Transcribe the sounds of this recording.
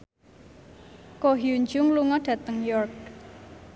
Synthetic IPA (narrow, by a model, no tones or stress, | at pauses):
koɦjuɲd͡ʒʊŋluŋɔɖ̥ä̤t̪əŋjɔrk̚